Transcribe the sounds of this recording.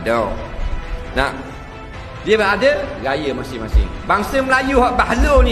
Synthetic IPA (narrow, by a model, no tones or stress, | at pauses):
do | na | diəbəadəɡajəmasɪŋmasɪ̰ŋbaŋsəməlajuhɔʔbaɦloni